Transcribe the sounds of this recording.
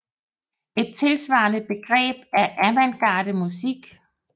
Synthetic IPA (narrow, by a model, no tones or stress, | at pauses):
e̝d̥̚t͡sʰe̝lsʋɑ̈ːnəð̚ˠb̥e̝ɡ̥ʁɛ̰ːb̥̚æɐʔæʋænɡ̥ɑ̰̈ːɾ̥əmusiɡ̥